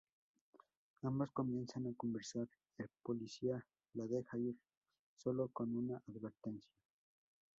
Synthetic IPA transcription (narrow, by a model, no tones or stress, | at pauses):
amboskomje̞nsanako̞mbeɾsaɾ | elpolisia | laðexaiɾ | solokonunaʔaðβeɾt̪ensja